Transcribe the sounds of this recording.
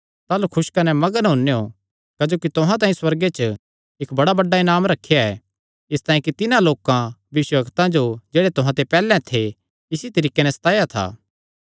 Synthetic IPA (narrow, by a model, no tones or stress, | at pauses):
t̪aːlukʰʊʃkɐnɛmɐɡənɦʊnːeo | kɐd͡ʒoːkit̪ʊɦãt̪̬ãːĩswɐɾɡet͡ʃə | ɪkbɐɽabɐɖːaɪnaːmɾɐkʰːejaɛ | ɪst̪ãːĩkit̪ɪnãloːkãʋɪʋɪʃwəbɐkt̪ãd͡ʒod͡ʒeːɽet̪ʊɦãt̪epɛːlɛ̃t̪ʰe | ɪsit̪ɐɾiːkːenɛsɐ̥t̪aːjat̪ʰa̰ː